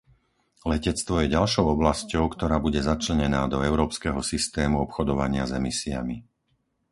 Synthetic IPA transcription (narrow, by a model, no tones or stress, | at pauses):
lɛcɛt͡st̪ʋɔjɛɟalʃɔʊɔblascɔʊkt̪ɔɾaːbuɟɛzat͡ʃlɛɲɛnaːd̪ɔɛʊɾɔːpskɛɦɔsist̪ɛːmuɔpxɔd̪ɔʋaɲɪazɛmisia̰mi